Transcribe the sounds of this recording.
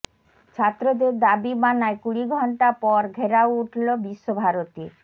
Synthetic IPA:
t͡ɕʰat̪ːɾod̪eɾd̪abimanaekuɽiɡʱɔɳʈapɔɾɡʱeɾawuʈʰlobiʃːobʱaɾot̪i

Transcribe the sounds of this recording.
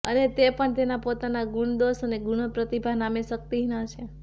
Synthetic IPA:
ənet̪epəɳt̪enapot̪anaɡuɳd̪osəneɡunəpɾət̪ibʱaɦnameʃək̚t̪iɦnət͡ʃʰe

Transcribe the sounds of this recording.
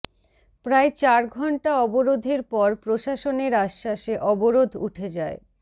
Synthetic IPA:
pɾaet͡ɕaɾɡʱɔɳʈaɔboɾod̪ʱeɾpɔɾpɾoʃaʃoneɾaʃːaʃeʔɔboɾod̪ʱṵʈʰed͡ʑae

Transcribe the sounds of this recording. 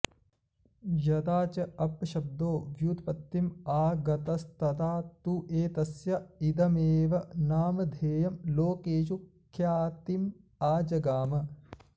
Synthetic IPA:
jɐd̪aːt͡ʃɐɐpʃɐb̚d̪oːɡjuːt̪pɐt̪ːimaːɡɐt̪ɐst̪ɐt̪aːt̪uʔeːt̪ɐsjɐid̪ɐmeːʋɐnaːmɐd̪ʱeːjɐmloːkeːʃukʰjaːt̪im | aːd͡ʒɐɡaːmɐ

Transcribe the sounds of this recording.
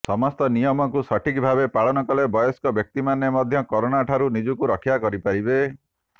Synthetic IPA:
sɔmɔst̪ɔnijɔmɔkusɔʈʰikbʱabepaɭɔnɔkɔlebɔjɔskɔbjɔk̚t̪imanemɔd̪ʱjɔkɔɾonaʈʰaɾunid͡ʒukuɾɔkʰjakɔɾipaɾibe

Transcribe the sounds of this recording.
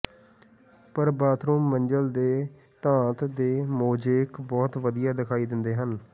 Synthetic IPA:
pəɾbaːt̪ʰɾuːmːəɲd͡ʒəld̪eː | t̪ãːt̪d̪eːmoːd͡ʒeːkbɔːt̪ʋəd̪ijaːd̪ɪkʰaːiːd̪ɪnd̪eːɦən

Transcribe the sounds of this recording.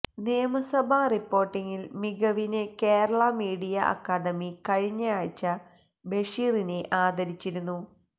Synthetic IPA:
nijɐmɐsɐbʱaripːo̞ːrʈːiŋilmiɣɐʋinekeːɾɐɭɐmiːɽijɐʔɐ̰kːaːɽɐmikɐɻiɲːaːɻt͡ɕːɐ | be̞ʂiːrineʔaːd̪ɐɾit͡ɕːiɾunːu

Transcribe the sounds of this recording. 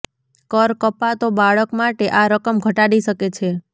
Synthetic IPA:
kəɾkəpat̪obaɭəkmaʈeʔaɾəkəmɡʱəʈaɽiʃəket͡ʃʰe

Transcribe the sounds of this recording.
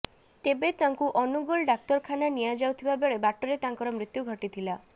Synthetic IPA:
t̪ebet̪aŋkuʔɔnuɡɔlɖak̚t̪ɔɾkʰananijad͡ʒawt̪ʰibabeɭebaʈɔɾet̪aŋkɔɾɔmɾit̪juɡʱɔʈit̪ʰila

